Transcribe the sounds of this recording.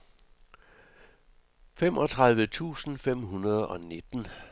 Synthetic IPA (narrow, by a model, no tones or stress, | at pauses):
femɒ̽t͡sʰʁɑð̞ˠʋət͡sʰṵːsn̩fem̰ɦunɐð̞ˠɒ̽ne̝d̥n̩